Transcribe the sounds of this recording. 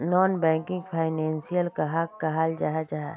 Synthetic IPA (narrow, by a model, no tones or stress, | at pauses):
nɔːnbɛ̃ːŋkɪ̃ŋɡpʰaːɪnɛ̃ːnsijəlkɐɦakaɦaːld͡ʒaɦɛd͡ʒaɦɛ